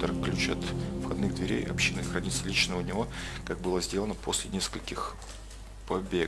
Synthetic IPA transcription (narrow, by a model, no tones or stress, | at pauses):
t̪əɾklʲʉt͡ɕa̰t̪fxɐd̪nɨɣd̪vʲɪɾʲḛjɐ̰pɕːinɨxɾɐnʲit̪səlʲit͡ɕnəʊnʲɪvo̞kak̚bɨlˠəzʲdʲelənəpʰo̞sʲlʲɪnʲeskəlʲkʲɪx | pɐbʲe